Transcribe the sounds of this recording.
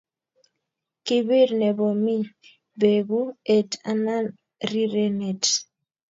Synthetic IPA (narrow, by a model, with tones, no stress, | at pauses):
ki˦bi˦ɾnɛ˨bo˨mi˦ | be˨ɡu˦e˨ta̰˨na˦n | ɾi˦ɾe˦ne˨t